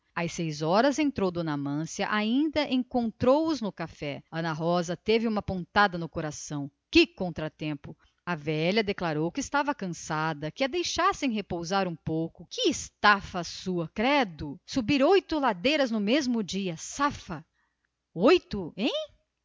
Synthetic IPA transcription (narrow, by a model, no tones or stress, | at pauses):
ɐjsejzɔɾɐzẽnt̪ɾowd̪onamɐ̃sjɐʔaĩnd̪ɐʔẽŋkõnt̪ɾowʊznʊkafɛɐ̃nɐɦɔzɐt̪evɪũmɐpõnt̪ad̪ɐnʊkoɾasɐ̃w̃ | kɪkõnt̪ɾɐt̪ẽmpʊ | ɐvɛʎɐd̪eklaɾowkɪːst̪avɐkɐ̃sad̪ɐkɪɐd̪ejʃasẽj̃ɦepowzaɾũpowkʊkɪːst̪afɐsuɐkɾɛd̪ʊsubiɾojt̪ʊlad̪ejɾɐznʊmezmʊd͡ʒiɐsafɐ | ojt̪ʊẽj̃